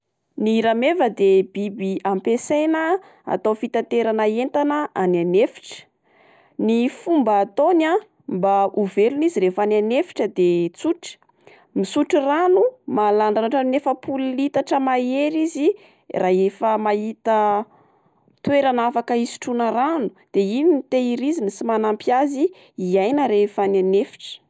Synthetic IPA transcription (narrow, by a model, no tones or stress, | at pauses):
niɾamevəd̪ebibiampesenə | a̰t̪ofit̪at̪eɾanəent̪anəananefi̥ʈ͡ʂə̥ | nifumbaːt̪ona | mbauveluniziɾefananefi̥ʈ͡ʂəd̪et͡suʈ͡ʂə̥ | misuʈ͡ʂiranumalaɳanaʈ͡ʂanefəpʰullit̪aʈ͡ʂəmaeɾizi | rʔaefəmaɦit̪ə | t̪weɾanafakəisi̥ʈ͡ʂunəranud̪̥eininit̪eiɾizinisimanampjaziː | ajnəɾefananefi̥ʈ͡ʂə̥